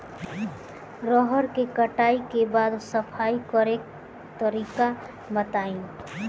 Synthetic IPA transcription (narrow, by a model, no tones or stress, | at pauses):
ɾɔɦəɾkekəʈaːikebaːd̪səpʰaːikɔɾek̚ | t̪əɾiːka | mət̪aːĩ